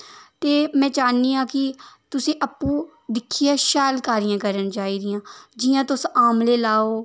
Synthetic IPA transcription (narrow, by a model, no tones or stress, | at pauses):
t̪eːmɛ̃ːt͡ʃaːniːãːkɪt̪ʊsĩːʔəpːũː | d̪ɪkʰːiːãːʃaːlkaːɾijãːkəɾənt͡ʃaːiːd̪ɪjãːd͡ʒɪːãːt̪ʊsaːmleːlaːoː